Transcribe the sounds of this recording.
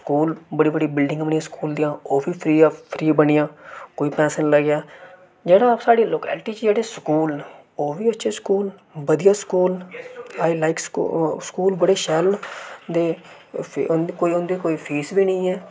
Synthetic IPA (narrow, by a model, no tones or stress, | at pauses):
skuːlbəɽiːbəɽiːbɪlɖɪ̃ŋɡəmɳiãːskuːld̪ijãːoːbiːpʰɾiːpʰɾiːbənɪjãːkoːiːpɛ̃ːʃənləɡjaː | d͡ʒeːɽaːsaːɽiːloːkɛ̰ːlʈiːt͡ʃd͡ʒeːɽeːskuːlne | oːbiːətːʃʰeːskuːlʋəd̪ijaːskuːlaːilaːɪksskuːlbəɽeːʃɛːlnd̪eː | koːiʊnd̪eːkoːiːpʰiːsbiːnəĩːɛː